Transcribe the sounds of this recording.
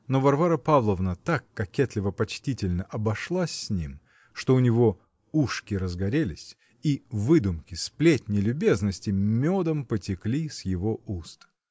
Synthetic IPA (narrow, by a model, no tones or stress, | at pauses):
novɐrvaɾəpavlˠəvnət̪akːɐkʲet̪lʲɪvəpɐt͡ɕtʲitʲɪlʲnəʔɐbɐʂlˠasʲːnʲim | ʂt̪o̞ʊnʲɪvo | uʂkʲɪɾəzɡɐɾʲelʲɪsʲ | ivɨd̪ʊmkʲɪsplʲetʲnʲɪlʲʊbʲe̞znəsʲtʲɪmʲod̪əmpətʲɪklʲisʲjɪvoust̪